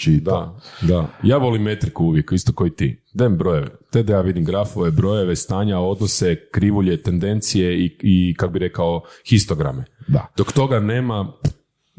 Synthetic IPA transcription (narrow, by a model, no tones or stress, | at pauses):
t͡ʃid̪ad̪ajaːʋo̞limːet̪ɾikuuʋjekist̪oko̞jit̪ḭd̪embɾo̞je̞ʋḛt̪ed̪ajaːʋid̪imɡɾafo̞ʋebɾo̞je̞ʋest̪aːɲao̞d̪nose̞kɾiʋuʎet̪e̞nd̪e̞nt̪sijeiikakobiɾe̞kaoxist̪oɡɾa̰med̪a̰d̪̥okt̪o̞ɡaneːma